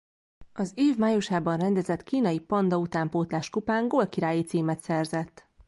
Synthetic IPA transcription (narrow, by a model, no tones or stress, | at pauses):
ɒzeːvmaːjuʃaːbɒnrɛnd̪ɛzɛt̪kiːnɒjipɒnd̪ɒut̪aːmpoːt̪laːʃkupaːŋɡoːlkiɾaːjit̪siːmɛt̪sɛrzɛt̪ː